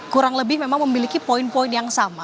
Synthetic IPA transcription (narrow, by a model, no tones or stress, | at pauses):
kuɾaŋləbɪhmemaŋməmilikipoinpɔɪnjaŋsama